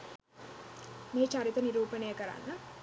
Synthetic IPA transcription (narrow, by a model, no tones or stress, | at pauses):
meːt͡ʃaɾit̪əniɾuːpənejəkəɾa̰nːə